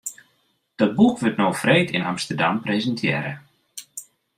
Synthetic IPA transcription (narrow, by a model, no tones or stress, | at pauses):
d̥ɔt̚bukʋɵtnowfreːtʰɪnamstərda̰mprezəntʰjɪ̰ːɾə̰